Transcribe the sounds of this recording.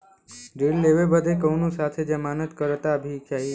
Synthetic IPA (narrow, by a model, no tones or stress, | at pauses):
ɾilːeʋebəd̪ʱekəwnũsat̪ʰed͡ʒəmanət̪kəɾət̪abʱikʰjaɦi